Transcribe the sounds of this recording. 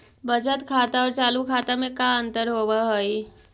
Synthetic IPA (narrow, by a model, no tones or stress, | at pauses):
bəd͡ʒət̪kʰaːt̪aɔːɾt͡ʃaːlukʰaːt̪amẽkãə̃nt̪əɾɦoːʋaɦoi